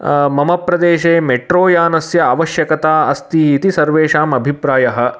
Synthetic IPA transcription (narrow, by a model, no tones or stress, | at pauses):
mɐmɐpɾɐd̪eːʃeːmeʈɾoːjaːnɐsjɐɐʋɐʃjɐkɐt̪aːɐst̪iːt̪isɐɾʋeːʃaːmɐbʱipɾaːjɐɦɐ̆